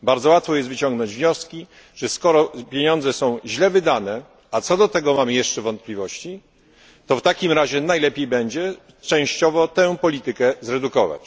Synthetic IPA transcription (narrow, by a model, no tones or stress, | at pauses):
baɾd̪zɔwat̪fɔjɛst̪vɘt͡ɕɔ̃ŋɡnɔɲd͡ʑvɲɔskʲi | ʐ̥ɛskɔɾɔpʲjeɲɔ̃nd̪zɛsɔ̃w̃ʑlɛvɘd̪anɛ | at̪sɔd̪ɔt̪ɛɡɔmamɘjɛʂt͡ʂɛvɔnt̪̚plʲivɔɕt͡ɕi | t̪ɔft̪akʲimɾaʑɛnajlɛpʲjejbɛɲd͡ʑɛ | t͡ʂɛ̃w̃ɕt͡ɕɔvɔt̪ɛ̃pɔlʲit̪ɘkɛzɾɛd̪ukɔva̰t͡ɕ